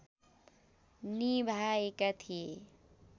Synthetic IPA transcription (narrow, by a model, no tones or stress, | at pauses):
nibʱaekat̪ʰie